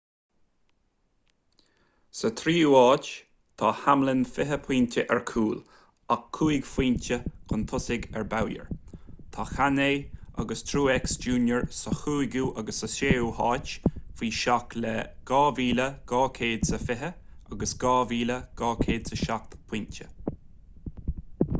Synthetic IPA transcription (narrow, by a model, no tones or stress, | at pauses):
sət̪ʰɾiːaːt͡ʃ | t̪ʰɑhamlənfɪɦəpʰwiːntʰʲəʔɛɹkʰuːl | akʰːuːjɡfiːntəkʰʊnt̪ʰʊsɪɡɛɹbawjə̰ɹt̪ʰɑːxaneːa̰ɡəst̪ʰɾuːɛksd͡ʒuːnjəɹsəxuːɡuːʔaɡəsːəseːuhɑːt͡ʃfiːʃaklɛɡ̥ɑːviːləɡ̥ɑːkʰeːd̪səfɪɦəaɡəsɡ̥ɑːviːləɡ̥ɑːkʰeːd̪səʃak̚t̪pʰiːntə